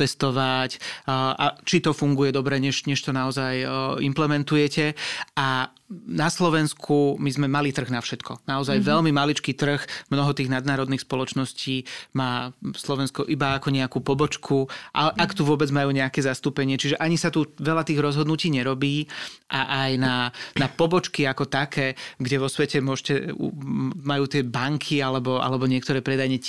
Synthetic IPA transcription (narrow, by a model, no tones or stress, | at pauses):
ɛst̪ɔʋacʔa̰t͡ʃit̪ɔfuŋɡujɛd̪ɔbɾɛɲɛʃɲɛʃt̪ɔnaɔzajimplɛmɛnt̪ujɛcɛa | naslɔʋɛnskʰumizmɛmalit̪r̩ɣnafʃɛt̪kʰɔnaɔzajʋɛlmimalit͡ʃkiːt̪r̩xmnɔɦɔt̪iːɣnad̪naːɾɔd̪niːxspɔlɔt͡ʃnɔsciːmaːslɔʋɛnskɔʔibaːkɔɲɛakuːpɔbɔt͡ʃkʰuʔa̰ɛʔakt̪uʋʊɔbɛd͡zmajuːɲɛakɛːzast̪uːpɛɲɪɛt͡ʃiʒɛʔaɲisat̪uʋɛlat̪iːɣɾɔzɦɔd̪nuciːɲɛɾɔbiːʔaʔajnanapɔbɔt͡ʃkiakɔt̪akʰɛːɡɟɛʋɔsʋɛcɛmʊɔʃcɛṵmajuːt̪ɪɛbaŋkʰialɛbɔa̰lɛbɔɲɪɛk̚t̪ɔɾɛːpɾɛd̪ajɲɛ